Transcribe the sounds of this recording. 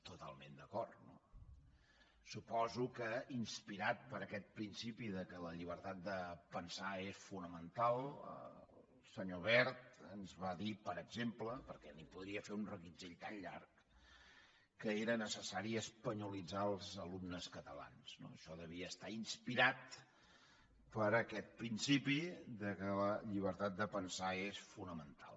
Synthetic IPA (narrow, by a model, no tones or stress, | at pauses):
t̪ut̪a̰lˠmend̪əkɔrt̪no̰ | supɔzukəinspiɾat̪̚pəɾəkɛt̪̚pɾinsipiðəkələʎiβ̞əɾt̪at̪̚d̪əpənsaesfunəmənt̪alˠə̰lˠsəɲoβɛɾt̪ənzβaðipəɾəɡzempləpəɾkɛnipuðɾiəfeunrəɣid͡ʒeʎt̪anʎa̰rk̚ | əeɾənəsəsaɾiəspəɲulid͡zaəlˠzəlumnəskət̪əla̰nzno̰əʃɔðəβ̞iəːst̪ainspiɾat̪ | pəɾəkɛt̪̚pɾinsipiðəkələʎiβ̞əɾt̪at̪̚d̪əpənsaesfunəmənt̪a̰lˠ